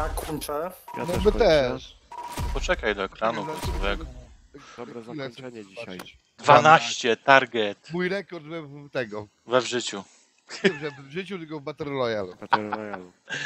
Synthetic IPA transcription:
akunt͡ʂɛnɔbɛt̪ɛʂ | pɔt͡ʂɛkajd̪ɔɛkɾanuɔsɔvɛɡɔ | ilɛsɔibaɨ | d̪vanaɕt͡ɕɛt̪aɾɡɛt̪mujɾɛkɔɾd̪vɛt̪ɛɡɔ | vɛvʐɘt͡ɕu | ɛʐɛvvʐɘt͡ɕut̪ɪlkɔvbat̪ɛɾlɔjaluj

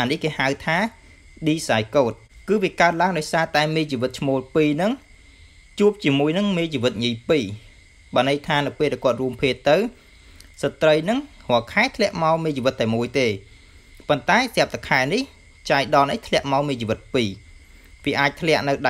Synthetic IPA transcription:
ʔaːnihkeːhawt̪ʰaː | ɗiːsajkoːt̪̚kɨːʋiəkaən̚laəŋɗaɔjsaːt̪aɛmeːt͡ɕiːʋɨt̪̚t͡ɕʰmoːlpiːnɨŋ | t͡ɕuəp̚t͡ɕiəmuəjnɨŋmeːt͡ɕiːʋɨt̪̚ɲijpiː | ɓaːnɨjt̪ʰaːnɨwpeːlɗaɛkŏət̪̚ruəmpʰeːt̪ːɨw | sat̪rəjnɨŋhɔ̆əkʰaɛt̪ʰlɛ̆əʔmaɔmeːt͡ɕiːʋɨt̪ːaɛmuəjt̪eː | pont̪aɛsɛ̆əp̚t̪akʰaɛnih | t͡ɕaɛjɗɑnɨht̪ʰlɛ̆əʔmaɔmiːt͡ɕiːʋɨt̪̚piː | ʋiəʔaːc̚t̪ʰlɛ̆əʔnɨwɗa

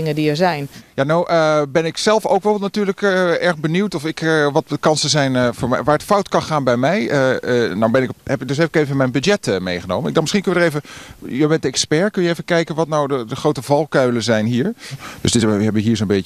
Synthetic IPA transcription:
ɪŋədiəɹzɛjnjanowʔəbɛnɪksɛlˠfowkʋɛlˠnatyːɹləkəɛɹɣbəniwtɔfɪkʋɑtəkɑnsəzɛjnvʊːɹmɛʋaːɹətfɔwtkɑnχaːnbɛjmɛjənawbɛnɪkhɛpdøsɦɛpɪ̥kejvəmɛjnbyd͡ʒjɛtəmejχəno̰wməndɑnmɪsχinkɵnədəɹejvəjəbɛntdɛkspɛɹkɵnjəevəkɛjkənʋɑtnawdədəχrowtəvɑlˠkœɥləzɛjnɦiːɹd̥øsdɪtɦɛbɪkɦiːɹzonmbɪ

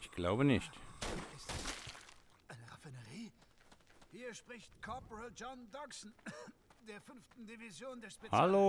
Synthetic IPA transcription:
ɪçɡ̥laʊbənɪʃtɪstɛs | ʔaɪnəʁafɪnəʁiː | hiːɐʃpʁ̥ɪçtkʰɔɐpɔʁəld͡ʒɔndɔksn̩d̥eːɐfʏnftn̩divizjoːndeːɐʃpehalo

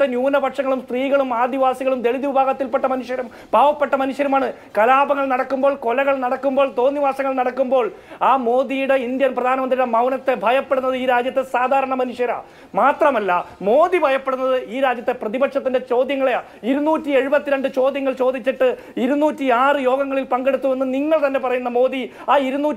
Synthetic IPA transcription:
t̪ːenjuːnɐbʱɐkʂɐŋːɐɭumst̪riːɣɐɭumaːd̪iʋaːsiɣɐɭumd̪e̞ɭiðiʋubʱaːɣɐt̪ːilpeʈːɐmɐnuʂjɐɾɐm | bʱaːʋɐpːeʈːɐmɐnuʂjɐɾumaːɳɨ | kɐlaːbɐŋːɐɭnɐɽɐkːumbo̞ːɭko̞lɐɣɐɭnɐɽɐkːumbo̞ːɭt̪o̞ːnːiʋaːsɐŋːɐɭnɐɽɐkːumbo̞ːɭaːmo̞ːd̪ijuɽe̞ind̪jɐnprɐd̪ʱaːnɐmɐnd̪riɽe̞mɐwnɐt̪ːe̞bʱɐjɐpːe̞ɽunːɐðɨiːɾaːd͡ʑjɐt̪ːe̞saːd̪ʱaːɾɐɳɐmɐnuʂjɐɾa̰ː | maːt̪rɐmɐlːɐmo̞ːd̪ibʱɐjɐpːe̞ɽunːɐðɨʔiːɾaːd͡ʑjɐt̪ːe̞prɐðibɐkʂɐt̪ːinde̞t͡ɕo̞ːd̪jɐŋːɐɭe | iɾunuːtːie̞ɻubɐt̪ːiɾe̞ɳɖɨt͡ɕo̞ːd̪jɐŋːɐɭt͡ɕo̞ːd̪it͡ɕːiʈːɨ | iɾunːuːtːiaːrɨjo̞ːɡɐŋːɐɭilpɐŋɡe̞ɽut̪ːue̞nːɨniŋːɐɭt̪ɐnːe̞pɐrɐjunːɐmo̞ːd̪i | aːiɾunːuː

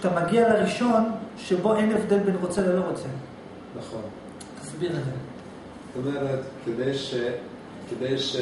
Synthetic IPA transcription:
t̪amaɡialeʁiʃo̞nʃebo̞enefd̪elbenʁot͡seveloʁot͡se | naχon | t̪ḁsbiʁeze | zot̪omeʁet̪kʰed̪ejʃe | ked̪ejʃ

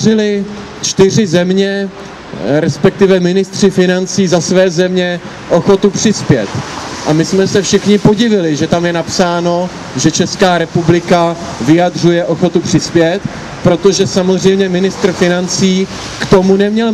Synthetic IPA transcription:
rɪlɪ | t͡ʃt̪ɪr̝ɪzɛmɲɛ | ɾɛspɛk̚t̪ɪvɛmɪnɪst̪r̝̥ɪfɪnant͡siːzasvɛːzɛmɲɛ | ʔo̞xo̞t̪upr̥ɪspjɛt̪ʔamɪsmɛsɛfʃɪxɲɪpo̞ɟɪvɪlɪʒɛt̪amjɛnapsaːno̞ | ʒɛt͡ʃɛskaːɾɛpublɪka | vɪjad̪r̝ujɛʔo̞xo̞t̪upr̝̥ɪspjɛt̪ | pɾo̞t̪o̞ʒɛsamo̞zr̝ɛjmɲɛmɪnɪst̪r̩fɪnant͡siː | kt̪o̞munɛmɲɛl

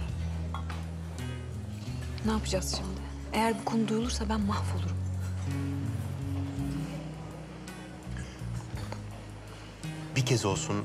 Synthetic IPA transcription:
naːpʰɯd͡ʒaz̥ʃimd̪ɪ | ejæɾbukʰo̞nud̪ujolˠuɾsabænmahfolˠuɾum | bicʰɛzo̞lˠsun

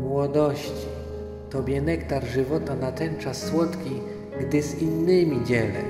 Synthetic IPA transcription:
mwɔd̪ɔɕt͡ɕi̥ | t̪ɔbʲjɛnɛkt̪aɾʐɘvɔt̪anat̪ɛnt͡ʂasːwɔt̪kʲi | ɡd̪ɘzinːɘmʲid͡ʑɛlɛ̰

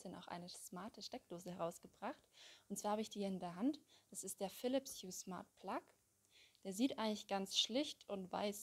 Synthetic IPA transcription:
səna̰ʊxʔa̰ɪnəsmaɐtʰəʃtɛk̚d̥oːzəhɛʁaʊsɡ̥əbʁaχtʔʊntt͡sːsaːhaːbəɪçd̥iːɪndeːɐɦantd̥asɪstd̥eːɐfɪlɪpsjuːsma̰ɐt̚pʰl̥ak | d̥eːɐziːtʔaɪɡŋlɪçɡ̥ant͡sʃlɪçtʊntv̥a̰ɪs

